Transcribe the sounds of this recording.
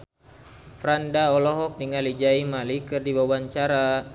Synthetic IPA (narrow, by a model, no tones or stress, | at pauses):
fɾandaɔlɔɦɔk̚niŋalid͡ʒaimalikɨrdiwawaɲt͡ʃaɾa